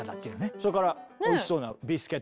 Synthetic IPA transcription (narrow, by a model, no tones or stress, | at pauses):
at̪at̪ːeɯnesoɾekaɾaoii̥so̞ːnabʲisɨ̥ket̪